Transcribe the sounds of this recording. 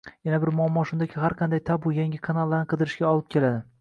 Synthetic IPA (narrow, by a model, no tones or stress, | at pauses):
janabɪɾmʊamːɒʃʊnd̪akʲʰɪhaɾqʰɑnd̪ajt̪ʰabʊjaŋʲɪkʰanalˠːaɾnɪqʰɨd̪ɪɾɪʃɡʲaɒlˠɪp̚kʲʰe̞lad̪ɪ